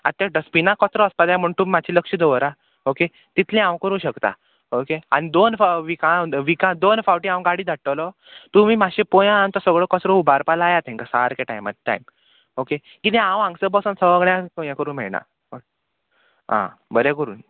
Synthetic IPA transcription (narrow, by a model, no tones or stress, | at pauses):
at̪ːjaɖəspinakɔtɾɔəspad̪jãm̤əɳt̪umimat͡ɕʰiləkʂəd̪əʋəɾa | oke | t̪it̪ʰlẽãwkəɾũːɕəkt̪a̰ | okea̰nid̪onfʋikaʋikãd̪onfawʈĩãʋɡaɽiːd̪aʈːəlɔ | t̪um̤iːmaɕẽpojãant̪ɔsəɡɭəkɔsɾɔubʱaɾpalajat̪ʰɛ̃ŋkasaɾkeʈajma̰ʈa̰jm | oke | kid̪ɛ̃ãwãŋɡsəbɔsansəʋəɡɳjãkojãkəɾuːnm̤ɛɭna̰ | o | ɦã̰bəɾekəɾṵːn